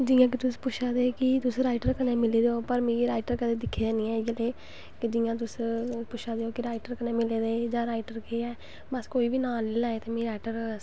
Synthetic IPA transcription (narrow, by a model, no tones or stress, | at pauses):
d͡ʒiːãːk̬ɪt̪ʊspʊʃʰaːd̪eːkɪt̪ʊsɾaːɪʈəɾkəneːmɪleːd̪eoːpəɾmĩːɾaːɪʈəɾkəd̪eːd̪ɪkʰːeːd̪eːnĩːɛ̃ːɪɡleː | kɪd͡ʒiːãːt̪̬ʊspʊʃʰaːd̪eoːkɪɾaːɪʈəɾkəneːmɪleːd̪eːd͡ʒãːɾaːɪʈəɾkeɛː | bəskoːiːbiːnaːlilaːeːt̪eːmĩːɾaːɪʈəɾ